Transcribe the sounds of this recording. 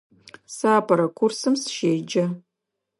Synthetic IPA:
saːpʰɐɾɐkʷʰʊrsɨmsʃejd͡ʒɐ

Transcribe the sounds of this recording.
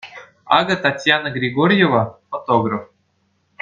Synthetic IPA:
ɑ̰ɡət̪atʲjanəɡɾʲiɡoɾʲjevafot̪oɡrəf

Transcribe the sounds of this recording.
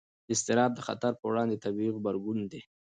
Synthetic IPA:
d̪əɪst̪ɪɾɑb̪̚d̪əxa̰t̪aɾpəwɽɑnd̪et̪abiɣbaɾɡund̪e

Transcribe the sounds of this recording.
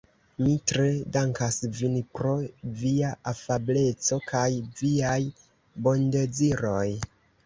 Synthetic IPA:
mitɾe̞daŋkasvinpɾo̞viaʔafable̞t͡so̞kʰajviaj | bo̞nded͡ziɾo̞j

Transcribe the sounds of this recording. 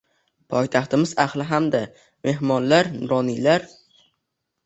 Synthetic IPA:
pʰɒjt̪ʰaχt̪ɪmɪzaχlˠɪɦamd̪a | me̞ɦmɒnlaɾnʊɾɒnilaɾ

